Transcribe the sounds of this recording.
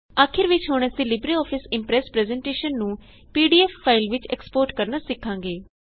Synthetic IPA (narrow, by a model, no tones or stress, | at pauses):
aːkʰɪɾʋɪt͡ʃɦoːɳ̃əsĩːlɪbɾiːɔːpʰɪsɪmpɾɛːspɾɛːzɛːɳʈeːʃənːũː | piːɖiːɛːfːaːɪlʋɪt͡ʃɛ̰ːkspoːɾʈkəɾnaːsɪkʰːãːŋɡeː